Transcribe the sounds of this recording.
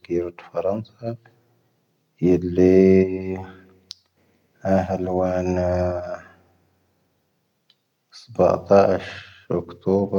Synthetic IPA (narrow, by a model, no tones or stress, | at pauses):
ɡiːɾat̪fɑɾˤɑnsˤɑ | jɪlːi | haɦalwaːn | sˤɑbɑ̰ʕt̪ˤɑːʃʔʊkt̪oːb